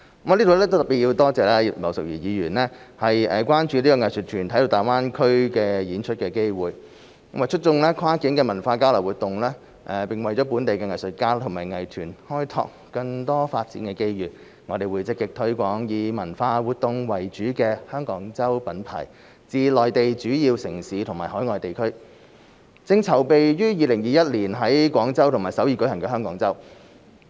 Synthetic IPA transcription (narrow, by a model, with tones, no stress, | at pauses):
mː˥˨˧liː˥t̪o˨˧wlɛː˥t̪o˥wt̪ɐ˨˩piː˨t̚ji˧wt̪ɔː˥t͡sɛː˨lɛ˥˨mɐ˨˩wsʊ˨k̚ji˨˩jiː˨˧ɥyː˨˩nlɛː˥hɐ˨jɛː˨kʷaː˥nt͡ʃyː˨˧liː˥kɔː˧ŋɐ˨jsɵ˨t̚t̪ʰyː˨˩nt̪ʰɐ˦˥jt̪o˧taː˨˩waː˥nkʰɵ˥ɥkɛː˧jiː˨˥nt͡ʃʰɵ˥t̚kɛː˧ke˥jwuː˨jʰ | ma˨˩t͡ʃʰɵ˥t̚t͡sʊ˧ŋlɛː˥kʷʰwaː˥ki˨˥nkɛː˧mɐ˨˩nfaː˧kaː˥wlɐ˨˩wu˨t̪ʊ˨ŋlɛː˥ | ʔɛ˨˩pɪ˨ŋwɐ˨jt͡ɕɔː˨˥p̬uː˨˥nt̪e˨jkɛː˧ŋɐ˨jsɵ˨t̚kaː˥t̪ʰʊ˨˩ŋmaː˨˩jŋɐ˨˩jt̪ʰyː˨˩nhɔː˥jt̪ʰɔ̰ː˧kːɐ˧ŋt̪ɔː˥faː˧t̚t͡sḭː˨˥nkɛː˧ke˥jjyː˨ | ŋɔː˨˧t̪e˨jwuː˨˧jt͡sɪ˥kːɪ˧k̚t̪ʰɵ˨˥ɥkʷɔː˨˥ŋjiː˨˧mɐ˨˩nfaː˧wuː˨t̚t̪ːʊ˧ŋwɐ˨jt͡ʃyː˨˥kɛː˧hœː˥ŋkɔː˨˥ŋt͡sɐ˥wpɐ˨˥npʰa̰ː˨˩j | t͡siː˧lɔː˨jt̪e˨jt͡ʃyː˨˥jiː˧wsɪ˨˩ŋsiː˨˥t̪ʰŋmaː˨˩ɦɔː˨˥jŋɔː˨jt̪e˨jkʰɵ˥ɥ | t͡sɪ˧ŋt͡sʰɐ˨˩wpe˨jjyː˥jiː˨˧lɪ˨˩ŋjiː˨jɐ˥t̚liː˨˩nɦɐ˨˥jkʷɔː˨˥ŋt͡sɐ˥wt̪ʰʊ˨˩ŋmaː˨˩jsɐ˨˥wjiː˧˩kɵ˨˥hɦɐ˨˩ŋkɛː˧ɦœː˥ŋkɔː˨˥ŋt͡sɐ˥w